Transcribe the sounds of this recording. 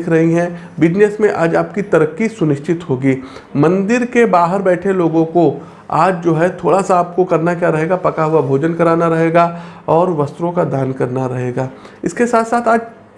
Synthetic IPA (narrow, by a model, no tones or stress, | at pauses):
kʰɾɐɦiɦɛ̃ | bɪd͡ʒnesmẽʔaːd͡ʒaːp̚kit̪ɐɾəkːisʊnɪʃt͡ʃɪt̪ɦoːɡiːmɐ̃nd̪ɪɾkebaːɦəɾbɛːʈʰeloːɡõko | a̰ːd͡ʒd͡ʒoːɦɛt̪ʰoːɽasaaːp̚kokɐɾnakjaːɾɐɦeːɡapɐkaɦʊabʱoːd͡ʒənkɐɾaːnaɾɐɦeːɡaɔːɾʋɐst̪ɾõkad̪aːnkɐɾnaɾɐɦeːɡaːɪskesaːt̪saːt̪ʰaːd͡ʒ